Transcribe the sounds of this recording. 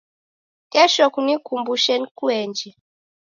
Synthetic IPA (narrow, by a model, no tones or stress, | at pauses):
kɛʃɔkunikumbuʃɛnikuɛnd͡ʒɛ